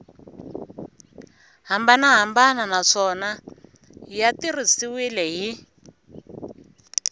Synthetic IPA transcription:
ɦambanaɦambananaʂɔna | jatirisiwilɛɦi

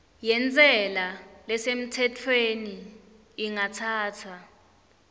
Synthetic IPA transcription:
jɛnt͡sʼɛlalɛsem̩tʰɛtʰweniː | ŋatʰaːtʰa

